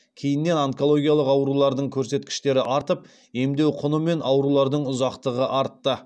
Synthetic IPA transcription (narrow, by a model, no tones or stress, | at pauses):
kʲʰe̞jɪnːe̞naŋko̞lˠo̞ɡʲijalˠəqɑwɾulˠɑɾd̪əɴkʲʰɵɾse̞t̪kʲɪ̥ʃt̪e̞ɾɪʔɑɾt̪əp̚ | e̞md̪e̞wqʰʊnəme̞nɑwɾulˠɑɾd̪əɴʊzɑqt̪əʁəʔɑɾt̪ːə